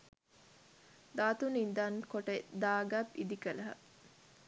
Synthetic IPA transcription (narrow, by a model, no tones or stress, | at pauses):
d̪aːt̪unind̪ɐnkoʈed̪aːɡɐbid̪ikɐlɐɦɐ̰